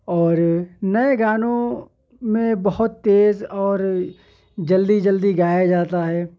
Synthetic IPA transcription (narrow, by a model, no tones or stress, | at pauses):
ɔːɾnəeɡaːnõ | mẽbɐɦʊt̪ːeːzɔːɾ | d͡ʒəld̪id͡ʒəld̪iɡaːjad͡ʒaːt̪aɦɛː